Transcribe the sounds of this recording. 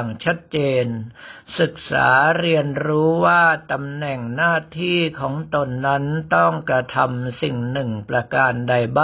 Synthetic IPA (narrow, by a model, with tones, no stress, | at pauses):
ŋt͡ɕʰa˦˥t̪̚t͡ɕeː˧nsɯ˨˩k̚sa̰ː˩˦ɾi˧ənɾuː˦˥waː˥˩t̪a˧mnɛ˨˩ŋnaː˥˩t̪ʰiː˥˩kʰɔː˩˦ŋt̪o˧nːa˦˥nt̪ɔ˥˩ŋkɾa˧t̪ʰa˧msi˨˩ŋnɯ˨˩ŋpɾa˧kaː˧nda˧jbaː˥